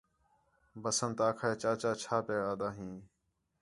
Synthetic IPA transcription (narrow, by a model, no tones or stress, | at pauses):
bəsənt̪aːkʰaːeːt͡ʃaːt͡ʃaːt͡ʃʰaːpeːaːd̪aːɦĩː